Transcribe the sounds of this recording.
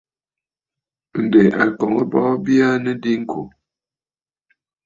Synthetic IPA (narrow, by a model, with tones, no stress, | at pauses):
n̩˨dɛ˨ʔa˨kɔ˨ŋə˦bɔ˦bja˦nə˦di˦ŋ̩˦kʰo˨